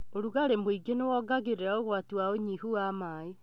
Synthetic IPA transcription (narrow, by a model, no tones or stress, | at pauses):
oɾuɣaɾemoiɡenewɔːɡaɣeɾeɾaoɣwatuwaoɲihuamae